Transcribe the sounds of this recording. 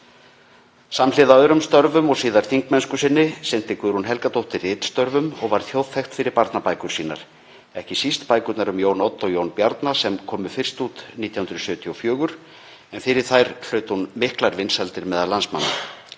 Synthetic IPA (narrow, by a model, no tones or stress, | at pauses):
samlɪːðaœɾʏmst̪œɾvʏmɔɣsiːðaɾ̥θiŋk̚mɛnskʏsɪnːɪsɪn̥t̪ɪkvʏɾhunɦɛlkat̪ʰowht̪ɪrɪːt̪st̪œɾvʏmɔɣvaɾ̥θjowðθɛjxt̪fɪɾɪɾpaɾt̪napajkʏɾ̥siːna̰ɾ̥ | ɛhcɪsist̪paːjkʏt̪naɾʏmjoːwnot̪ːɔɣjownpjaɾt̪nasɛmkʰɔːmʏfɪr̥st̪uːt̪niːt̪jahʏnɾʏsœːt̪ʰjiɔfjœːɣʏɾ̥ | ɛnfɪɾɪɾ̥θajɾ̥l̥œːɥt̪hunmɪhklaɾvɪnshalt̪ɪɾmɛːðalansma̰nːa